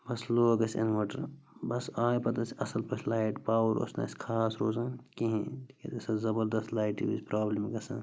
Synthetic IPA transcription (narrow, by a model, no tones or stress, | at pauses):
bɐsloːɡɐsḛnʋaːʈɐɾbɐsaːjpɐt̪ɐsɐsɐlpɐt͡ʃʰlaːjiʈpaːwɾo̰snɐ̰ːsʲkʰaːsɾoːzankiɦĩt̪ʰikḛt̪esɐzɐbɐɾd̪ɐst̪laːjʈḭbḭspɾaːblimɡɐsɐ̃